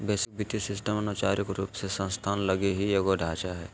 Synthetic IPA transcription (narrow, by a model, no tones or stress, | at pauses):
beːsɪk̚bʱɪt̪isɪsʈəmɐnʊt͡ʃaːɾɪkɾuːpsesə̃nst̪ʰaːnlɐɡeɦijeɡoɖʱaːt͡ʃaɦɛ̰ː